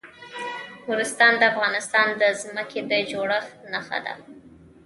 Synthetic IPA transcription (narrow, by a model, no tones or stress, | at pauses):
huɾɪst̪ɑnd̪əafɣɑnɪst̪ɑnd̪əzməkʰed̪əd͡ʒoɽəxnaxa̰d̪a̰